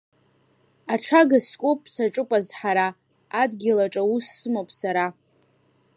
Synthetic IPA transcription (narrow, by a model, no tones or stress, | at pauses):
aʈ͡ʂʰaɡaskʷʼopʼʰːsaʈ͡ʂʼɨpʼazħaɾaː | dɡʲɪlaʈ͡ʂʼausːɨmopʼsaɾa